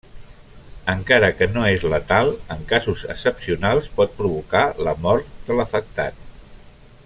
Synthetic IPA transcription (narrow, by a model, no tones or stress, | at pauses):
əŋkaɾəkənoezlət̪alˠəŋkazuzəksəpsiunalˠspɔt̪̚pɾuβukaləmɔɾt̪̚d̪ələfək̚t̪a̰t̪̚